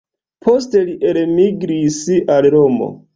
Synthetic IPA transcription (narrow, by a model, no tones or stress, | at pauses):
pʰoste̞liʔelmiɡɾisiʔalɾomo̰